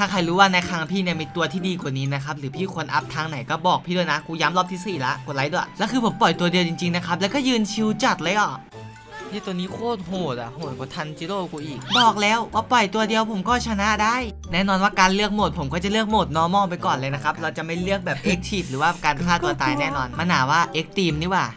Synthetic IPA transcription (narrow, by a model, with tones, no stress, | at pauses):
t̪ʰaː˥˩kʰa˧jɾuː˦˥waː˥˩na˧kʰaː˧ŋpʰiː˥˩ni˥˩ɐmiː˧t̪u˧ɐt̪ʰiː˥˩diː˧ku˨˩niː˦˥na˦˥kʰa˦˥p̚ɾɯː˩˦pʰiː˥˩kʰo˧nʔa̰˦˥p̚t̪ʰaː˧ŋna˨˩˦jkɔː˥˩bɔː˨˩k̚pʰiː˥˩duː˧˥˩jna˦˥kuː˧ja˦˥mlɔː˦˥p̚t̪ʰiː˦˥˩siː˨˩la˦˥ʔko˨˩t̪̚la˧˥jdu˥˩˨lɛː˦˥kʰɯː˧pʰo˩˦mpɔ˨˩jt̪u˧ɐdi˧wt͡ɕi˧ŋt͡ɕi˧ŋna˦˥kʰa˦˥p̚lɛ˦˥wkɔː˥˩jɯː˧nt͡ɕʰi˧wt͡ɕa˨˩t̪̚lɤː˧jʔɔː˨˩ | ʔt̪u˧əniː˦˥kʰoː˥˩t̪̚ɦoː˨˩t̪̚a˨˩hoː˨˩t̪̚kʰɔː˨˧˦t̪ʰa˧nt͡ɕʰi˧˥loː˥˩kuː˧ʔiː˨˩k̚bɔː˨˩k̚lɛː˦˥wwaː˥˩pɔ˨˩jt̪u˧ɐdi˧əwpʰo˩˦mkɔː˥˩t͡ɕʰa˧na˦˥daː˥˩j | nɛː˥˩nɔː˧nwaː˥˩kaː˧nlɯ˥˩ək̚mo˨˩t̪̚pʰo˩˦mkɔː˥˩t͡ɕa˨˩lɯ˥˩ək̚moː˨˩t̪̚nɔː˧˥mɔː˥˩p̬a˧jkɔː˨˩nlɤː˧na˦˥kʰa˦˥p̚ɾa˧wt͡ɕa˨˩ma˥˩jlɯ˥˩ək̚bɛː˨˩p̚t̪ʰeː˦˥k̚t͡ɕʰiː˨˩p̪̚lɯː˩˦waː˥˩kaː˧nkʰaː˥˩t̪u˧˩ɐt̪aː˧jnɛː˥˩nɔː˧nma˧nɦaː˩˦waː˥˩ʔeː˦˥k̚t̪iː˧mniː˧˥˩waː˨˩